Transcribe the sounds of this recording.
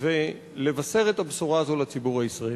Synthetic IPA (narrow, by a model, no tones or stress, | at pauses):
ve | le̞vase̞ʁet̪absuʁaːzo̞lat͡sibuʁhaisʁae